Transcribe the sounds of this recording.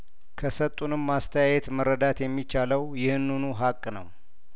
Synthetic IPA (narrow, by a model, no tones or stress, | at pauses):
kʰəsət̪ʼːunɨmːast̪ʰəjajɛt̪məɾːəd̪at̪jɛmːit͡ʃːaləwjɪhɨnːunuɦakʼːnəw